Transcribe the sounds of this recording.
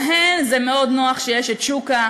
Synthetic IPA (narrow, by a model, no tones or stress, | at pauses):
ɦenzemeo̞d̪noaχʃejeʃet̪ʃuka